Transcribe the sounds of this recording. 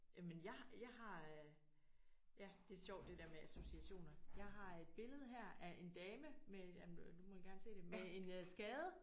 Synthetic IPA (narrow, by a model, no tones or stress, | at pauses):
jæmenjɑ̈ɪjɑ̈ɪɦɑ̈ | jæd̥e̝æɐɕɒʊ̰d̥ːe̝deɐmeʔæso̝siæɕo̝̰ːnɐjɑ̈ɪɦɑ̈e̝d̥b̥e̝ləð̞ˠɦæɐ̰æʔe̝nd̥ɛːməmejæmnd̥umɒjɡ̥æɐnse̝̰ːd̥e̝mee̝nsɡ̥ɛːðˠə